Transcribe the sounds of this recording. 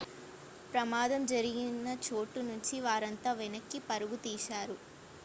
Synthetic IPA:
pɾɐmaːd̪ɐmd͡ʒɐɾiɡinːɐt͡ʃo̞ːʈːunuɲt͡ʃiʋaːɾɐnt̪aːʋɛnɐkːipɐɾuɡut̪iːʃaːɾu

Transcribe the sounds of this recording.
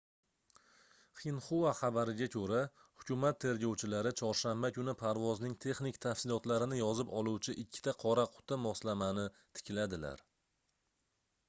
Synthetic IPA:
χinχovaχɑbaɾɪɡʲakʲʰɵɾa | hʊkʲʰʊmat̪ʰːe̞ɾɡʲɒwt͡ʃʰɪlaɾɪt͡ʃʰɒɾʃambakʲʊnɪpʰaɾvɒznɪŋt̪ʰe̞χnɪk̚ʲt̪ʰafsɪlɒt̪laɾɪnɪjɒzɪpɒlˠuwt͡ʃʰɪʔɪkʲʰːɪ̥t̪ʰaqʰɒɾaqʰʊ̥t̪ʰamɒslamanɪ | t̪ʰɪ̥kʲʰɪlad̪ɪla̰ɾ

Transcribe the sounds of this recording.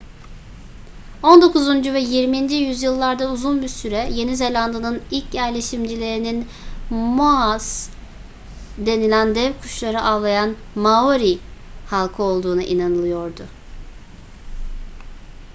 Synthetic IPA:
o̞nd̪o̞kuzund͡ʒuvɛjiɾmind͡ʒijyzjɯlˠːaɾd̪auzunbiɾsyɾɛje̞nize̞lʲand̪ɯnɯnilʲcjæɾlʲe̞ʃimd͡ʒilʲe̞ɾinin | moaz̥ | d̪e̞nilʲænd̪ɛvkʰu̥ʃlˠaɾɯʔaːlˠajan | maoɾihalˠkʰɯo̞lˠd̪uːnaʔinanɯlˠɯjo̞ɾd̪ʊ

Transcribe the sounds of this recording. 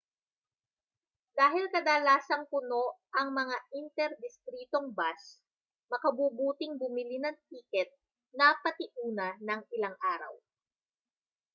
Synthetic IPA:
d̪aːɦɪlkɐd̪aːlaːsɐŋpʊno̞ʔɐŋmɐŋaʔɪnt̪ɛɾd̪ɪst̪ɾiːt̪o̞ŋbas | mɐkɐbuːbuːt̪ɪŋbʊmɪlɪnɐŋt̪̚iːkɛt̪̚ | nɐpɐt̪ɪʔuːnɐnɐŋɪlaŋʔaːɾɐ̰w

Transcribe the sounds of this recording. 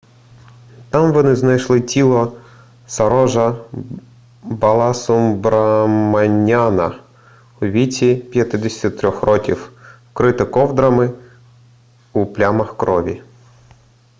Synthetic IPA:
t̪ɑmʋɔnɪznɐjʃlˠɪtʲilˠɔ | sɐɾɔʒɐ | bɐlˠɑsʊmbɾɐmɐnʲanɐ | ʊʋʲit͡sʲipʲjɐt̪ɪd̪ɪsʲtʲit̪ɾʲɔxrɔkʲiw | kɾɪt̪ɪkɔwd̪ɾɐmɪ | uplʲamɐxkɾɔʋʲi

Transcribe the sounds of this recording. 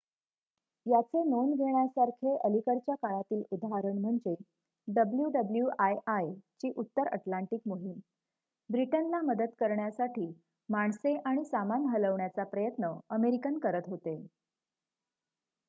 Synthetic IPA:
jat͡senonɡʱeɳjasaɾkʰeʔəlikəɽt͡ɕjakaɭat̪iːlud̪ʱaɦaɾəɳm̤əɳd͡ze | ɖəbljuɖəbljuʔajajt͡ɕiːʔut̪ːəɾə̰ʈlaɳʈikmoɦim | bɾiʈənlaməd̪ət̪kəɾɳjasaʈʰiː | maɳseʔaɽ̃isamanɦələʋɳjat͡sapɾəjət̪nəəmeɾikənkəɾət̪ɦot̪e

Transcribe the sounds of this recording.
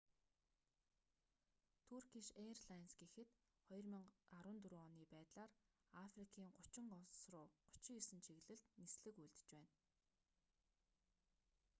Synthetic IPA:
t̪ʰurɡiʃerɮansɡexɘ̆t̪ | χɔj̆rmĭŋaɾwə̆nt̪uɾuːɔniːpæːt̪ɮaːr | afrikʰiːŋɢʊt͡ɕɪ̆ŋɢɔwsrʊːɢʊ̥t͡ɕɪ̆isɘ̆nt͡ɕʰeɣɮɘ̆ɮt̪nisɮɘ̆kujɮt̪ɘ̥̆t͡ɕpæːn

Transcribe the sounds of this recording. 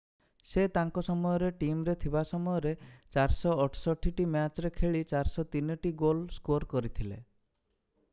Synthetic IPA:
set̪aŋkɔsɔmɔjɔɾeʈimɾet̪ʰibasɔmɔjɔɾet͡ʃaɾsɔːʈʰsɔʈʰiʈimat͡ʃɾekʰeɭit͡ʃaɾsɔt̪inɔʈiɡolskoɾkɔɾit̪ʰile

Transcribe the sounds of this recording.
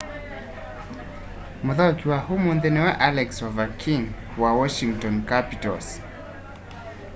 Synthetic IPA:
mɔðakiwahumunðɛnɛwaʔalɛksɔvakʰiŋ | wawɔʃiŋtɔ̃nkapitɔls

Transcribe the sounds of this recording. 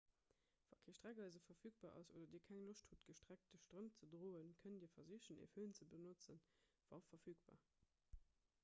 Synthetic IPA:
v̥ɑ̰ːkʰeːʃtʁæɡɑɪzəfɐfyːk̚b̥aːɑ̰soːdɐdiːɐkʰæŋloʃthutɡ̥əʃtʁ̥æk̚t̚dəʃtʁəmt͡sədʁoːənkʰəndiːɐfɐziəɕənḛføːnt͡səbənot͡sən | v̥ɑːfɐfyːkb̥a̰ː

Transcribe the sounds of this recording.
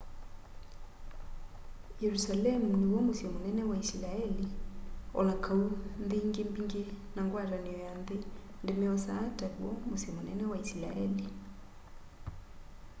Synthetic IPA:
jɛɾusalɛmuniwɔmusiɔmunɛnɛwaislaɛli | ɔ̰lakʰaunðiŋɡimbiŋɡɛ | naŋɡwaɾaniɔjanði | ndɛmɛɔsaːtawɔmusiɔmunɛnɛwaisla̰ʔɛli

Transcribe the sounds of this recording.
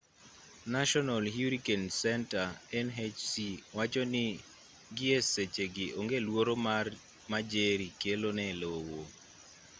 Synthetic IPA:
naʃɔnalɦjuɾikensɛntaɛnɦet͡ʃsiwat͡ʃonɪ | ɡɪeset͡ʃeɡɪʔoŋɡelwoɾomar | mad͡ʒeɾikelonɛlowo

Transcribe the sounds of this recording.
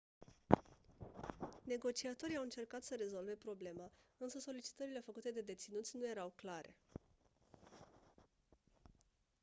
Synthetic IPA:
ne̞ɡo̞t͡ʃiat̪o̞ɾijawɨnt͡ʃe̞rkat̪səɾe̞zo̞lve̞pɾo̞ble̞maɨnsəso̞lit͡ʃi̥t̪əɾile̞fəkut̪e̞d̪e̞d̪e̞t̪sinut̪sʲnuje̞ɾawklaɾʔe̞̰

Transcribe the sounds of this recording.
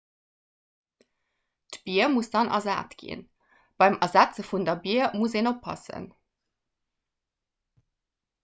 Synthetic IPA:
tb̥iɐmusd̥ɑnʔɑ̰za̰ːtɡ̥ḭn | b̥ɑɪmɐzæt͡səfundɐbiɐmuseːnopʰːɑ̰sə̰n

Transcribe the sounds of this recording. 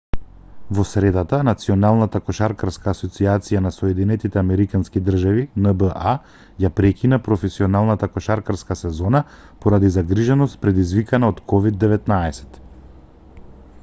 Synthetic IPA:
vɔsɾɛd̪at̪anat̪siɔnalˠnat̪akɔʃaɾkaɾskaːsɔt̪siat̪sijanasɔjɛd̪inɛt̪it̪ɛamɛɾikanskid̪r̩ʒavinəbəʔa | japɾɛkinapɾɔfɛsiɔnalˠnat̪akɔʃaɾkaɾskasɛzɔna | pɔɾad̪izaɡɾiʒɛnɔst̪̚pɾɛd̪izvikanaot̪kɔvid̪ːɛvɛt̪naɛsɛ̥t̪

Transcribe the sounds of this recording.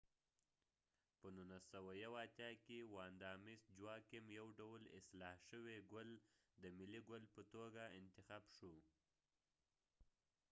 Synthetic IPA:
pənunasawajawɑt̪jɑkewɑnd̪ɑmisd͡ʒwɑkemjawɖawlɪ̰slɑhʃəweɡʊld̪əmɪliɡʊlpət̪oɡaɪnt̪ɪxɑbʃu

